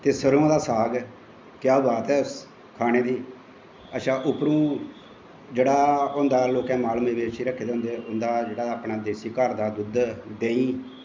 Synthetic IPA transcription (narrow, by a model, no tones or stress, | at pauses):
t̪eːsəɾoãːd̪aːsaːɡ | kɪjaːbaːt̪ɛːs | kʰaːɽ̃eːd̪iː | ətːʃʰaːʔʊpɾũː | d͡ʒeːɽaːʊnd̪aːloːkɛ̃ːmaːlmeːbeːʃiːɾəkʰːeːd̪ɦʊ̃nd̪eːʔʊnd̪aːd͡ʒeːɽaːaːpnaːd̪eːsiːkəɾd̪aːd̪ʊd̪d̪eːĩː